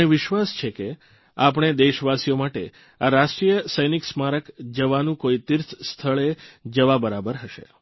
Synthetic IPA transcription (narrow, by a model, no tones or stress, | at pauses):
eʋɪʃʋast͡ʃʰeke | ap̬əɳ̃ed̪eʃʋasijomaʈe | aɾaʃʈɾijəsəjniksmaɾəkd͡ʒəʋanũkoit̪iɾt̪ʰst̪ʰəɭed͡ʒəʋabəɾabəɾɦəʃḛ